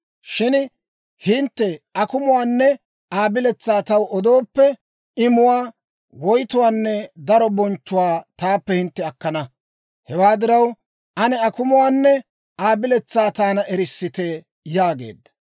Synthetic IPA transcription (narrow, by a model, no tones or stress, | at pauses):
ʃɪn | hɪnt̪ːɛɐkʊmʊwaːnːɛ | aːbɪlɛt͡sːaːt̪ɐwɔd̪o̞ːpːɛ | ɪmʊwaː | wɔjt̪ʊwaːnːɛd̪ɐɾɔbɔnt͡ʃːʊwaːt̪aːpːɛhɪnt̪ːɛɐkːɐnɐ | hɛwaːd̪ɪɾɐw | ʔɐnɛɐkʊmʊwaːnːɛ | ʔaːbɪlɛt͡sːaːt̪aːnɐʔɛɾɪsːɪt̪e | jaːɡḛːd̪ːɐ̥